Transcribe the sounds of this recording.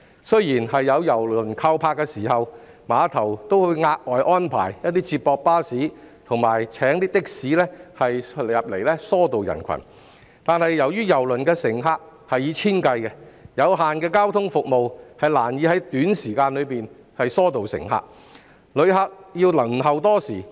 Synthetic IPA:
sɵ˥ɥjiː˨˩nhɐ˨jːɐ˨˧wjɐ˨˩wlɵ˨˩nkʰa˧wpʰaː˧kːɛː˧siː˨˩ɦɐ˨w | maː˨˧t̪ʰɐ˨˩wt̪o˥whɵ˨˧jŋaː˧k̚ʔɔː˨jʔɔː˥npʰa̰ː˨˩jjɐ˥t̚t̪iː˥t͡siː˧t̚pɔː˧k̚paː˥siː˨˥t̪ʰʊ˨˩ŋmaː˨˩jt͡sʰɛː˨˥ŋt̪iː˥t̪ɪ˥k̚siː˨˥lɛ˥hɐ˨jjɐ˨p̚le˨˩jlɛː˥sɔː˥t̪o˨wjɐ̰˨˩nkʰɐ̰˨˩n | t̪aː˨nhɐ˨jːɐ˨˩wjyː˥jɐ˨˩wlɵ˨˩nkɛː˧sɪ˨˩ŋɦaː˧k̚ | hɐ˨jiː˨˧t͡sʰiː˥nkɐ˧jkɛ˧jɐ˨˧wɦaː˨nkɛː˧kaː˥wt̪ʰʊ˥ŋfʊ˨k̚mo˨whɐ˨jlaː˨˩njiː˨˧hɐ˨˥jt̪yː˨˥nsiː˨˩kaː˧nlɵ˨˧ɥpiː˨n | hɐ˨jsɔː˥t̪o˨wsɪ̰˨˩ŋɦa̰ː˧k̚ | lɵ˨˧ɥɦaː˧k̚jiː˧wlɐ˨˩ŋ˨ɦɐ˨wt̪ɔː˥siː˨˩

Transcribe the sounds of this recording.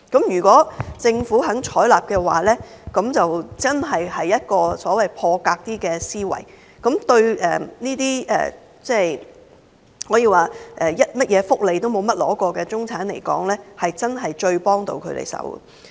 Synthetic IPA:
kɐ˨˥mjyː˨˩kʷɔː˨˥t͡sɪ˧ŋfuː˨˥ɦɐ˨˥ŋt͡ʃʰɔː˨˥laː˨p̚kɛː˧waː˨˩lɛː˥ | kɐ˨˥mt͡sɐ˨wt͡sɐ˥nɦɐ˨jhɐ˨jːɐ˥t̚kɔː˧sɔː˨˥wɐ˨jpʰɔː˧kaː˧k̚t̪iː˥kɛː˧siː˥wɐ̰˨˩j | kɐ˨˥mt̪ɵ˧ɥʔɛ̰ː˨niː˥t̪iː˥ɛ̰ː˨ | t͡sɛː˥˩j | hɔː˨˥jiː˨˧waː˨˩ʔɛː˨˩jɐ˥t̚mɐ˥t̚jɛː˨˧fʊ˥k̚le˨jt̪o˥wmo˨˧wmɐ˥t̚lɔː˨˥kɔː˧kɛː˧t͡sʊ˥ŋt͡sʰaː˨˥nle˨˩jkɔ̰ː˨˥ŋlɛː˥hɐ˨jt͡sɐ˥nɦɐ˨jt͡ʃɵ˧ɥpɔː˥ŋt̪o̰˧wkʰɵ˨˧ɥt̪ḛ˨˩jsɐ̰˨˥w̰

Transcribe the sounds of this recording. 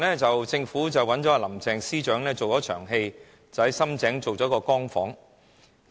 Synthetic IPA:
nlɛː˥t͡sɐ˨wt͡sɪ˧ŋfuː˨˥t͡sɐ˨˩wɐ˨˥nt͡ʃɔ˨˥aː˧lɐ˨˩mt͡sɛː˨ŋsiː˥t͡ʃœː˨˥ŋlɛː˥t͡so˨wtɔː˨˥t͡ʃʰœ̰ː˨˩ŋɦe˧j | t͡sɐ˨whɐ˨jsɐ˥mt͡sɛː˨˥ŋt͡so˨wt͡sɔː˨˥kɔː˧kɔː˥ŋfɔː˨˥ŋ

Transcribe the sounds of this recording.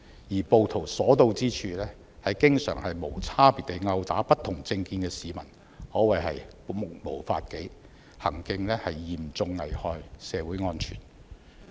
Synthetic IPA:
jiː˨˩po˨˧wt̪ʰo˨˩wsɔː˨˥t̪o˧wt͡siː˥t͡ʃʰyː˨˧lɛː˥ | hɐ˨jkɪ˥ŋsœ̰ː˨˩ŋhɐ˨jmo˨˩wt͡sʰaː˥piː˨˩t̪e˨jŋɐ˧wt̪a̰ː˨˥pɐ˥t̪ʰːʊ˨˩ŋt͡sɪ˧ŋkiː˧nkɛː˧siː˨mɐ̰˨˩n | hɔː˨˥wɐ˨˩jɦɐ̰˨j | k̚mo˨˩wfa̰ː˧t̚ke˨˥j | hɐ˨˩ŋkɪ˧ŋlɛː˥hɐ˨jːiː˨˩mt͡sʊ˧ŋːɐ˨jhɔː˧jsɛː˨˧wuː˨˥jŋɔː˥nt͡ʃʰy̰ː˨˩n

